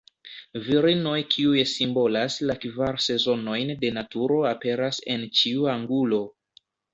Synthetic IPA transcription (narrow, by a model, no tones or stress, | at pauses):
viɾino̞jkʰiujesimbo̞laslakvaɾse̞zo̞no̞jnde̞natuɾo̞ape̞ɾase̞̰nt͡ʃiuaŋɡulo̞